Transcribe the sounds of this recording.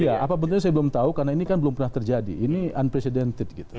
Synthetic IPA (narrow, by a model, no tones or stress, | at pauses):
ijaʔapap̬ənʊtɲasajabəlʊmt̪aukarnainikanbəlʊmpərnaht̪ərd͡ʒadḭːnianpɾesidɛnt̪ɪt̚ɡit̪u̥